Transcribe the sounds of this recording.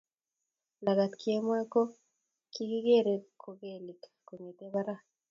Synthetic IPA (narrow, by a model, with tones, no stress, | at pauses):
la˨ɡa˨t̪kʰi˨e˦mwa˦ko˦ | ki˦ɡi˦ɡe˦˨ɾe˨kʰo˨ɡe˨li˨k | ko˨ɲe˨t̪e˦ba˦ɾa˦˨